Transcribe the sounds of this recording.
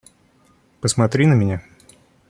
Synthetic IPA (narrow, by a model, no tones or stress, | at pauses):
pəsmɐt̪ɾʲinəmʲɪnʲa